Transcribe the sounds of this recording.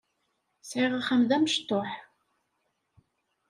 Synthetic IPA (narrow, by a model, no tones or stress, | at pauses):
sʕiʁaχəmðæməʃt̪ːoħ